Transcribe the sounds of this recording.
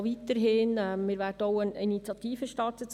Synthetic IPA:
ʋit̪əɾɦɪnɛmɪːɾʋæːɾd̥əɔʊəninit͡sjɑt̪iːfəʃtɑrtət͡s

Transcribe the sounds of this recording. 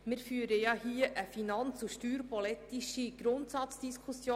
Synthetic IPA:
mɪɾfyəɾəjɑhiəʔəfinɑnt͡suʃtyːɾpɔlɛt̪iʃiɡ̥ɾʊntsɑt͡sd̥iskʰusjoː

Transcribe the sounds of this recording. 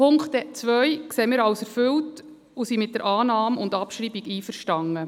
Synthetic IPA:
ʊŋkχtɛt͡sʋœjkseːmɪːɾɑwsɛɾfʏlt | usimɪt̚d̥əɾʔɑːnɑːmʊndɑpʃɾiːbiɡiːfəɾʃtɑŋːə

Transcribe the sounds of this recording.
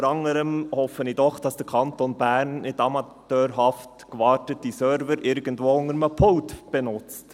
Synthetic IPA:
ɾɑŋəɾəmhɔfənɪdɔχd̥ɑsd̥əɾkʰɑntonbæɾnnɪtɑmɑttøːɾɦɑftkvɑːtət̚ːisœɾvəɾʔɪɾɡ̥ən̩dvoːʊŋəɾməpʰɔltb̥ɛnʊt͡st

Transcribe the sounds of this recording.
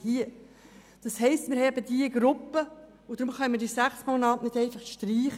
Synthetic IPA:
hiə | d̥ɑshɛɪstmɪɾhɛɛbəd̥̪iəɡɾʊpːə | ʊd̥̪ɾʊmχœnmədiːsæχsmonɑːtnɪd̥ɛɪnfɑχʃtɾiːχə

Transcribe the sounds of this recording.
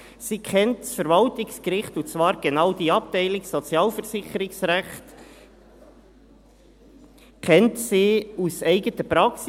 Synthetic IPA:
sikʰχɛntsfəɾvɑltɪkskɾɪχtʊt͡svɑːɾɡ̥enɑʊd̥iɑp̚tɛɪlɪɡsɔt͡sjɑːlfəɾsɪχəɾɪksɾæχt | kʰɛntsiːusɛɪɡətəpɾɑks

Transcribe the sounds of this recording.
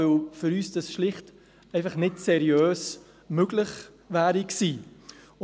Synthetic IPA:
ølfʏɾyːsd̥ɑsʃlɪχt | ɛɪfɐχnɪtsɛɾiøːs | møɡlɪχ | væːɾiksiː

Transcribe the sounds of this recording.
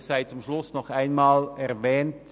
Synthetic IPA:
saɪt͡sʊmʃlʊsnɔχæɪnmaːlɛʁvɛːnt

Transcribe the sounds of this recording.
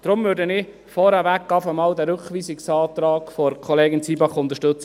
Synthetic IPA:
d̪̥ɾʊmvøːɾdənɪ | fɔɾɛʋækːɑfəmɑːld̪æɾøχʋiːsɪksɑːt̪ɾɑːɡ̥fɔɾkʰɔleːɡɪnt͡siːbɑχʊnt̪əʃtɵt͡sə

